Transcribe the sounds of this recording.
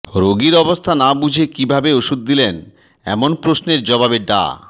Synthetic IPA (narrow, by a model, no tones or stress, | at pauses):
ɾoɡiɾɔbost̪ʰanabud͡ʑʱekibʱabeoʃud̪̚ːilen | ɛ̰monpɾosneɾd͡ʑɔbabeɖa̰